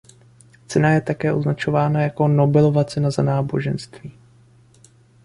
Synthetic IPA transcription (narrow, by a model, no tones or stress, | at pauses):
t͡sɛnajɛt̪akɛːʔoznat͡ʃo̞vaːnajako̞no̞bɛlo̞vat͡sɛnazanaːbo̞̰ʒɛnst̪viː